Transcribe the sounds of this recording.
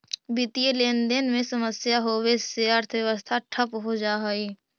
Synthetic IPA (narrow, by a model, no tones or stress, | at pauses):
bɪt̪ijeleːnd̪eːnmẽsəməsjaɦoːweseəɾt̪ʰəʋjəʋəst̪ʰaʈʰəpɦod͡ʒaːɦoiː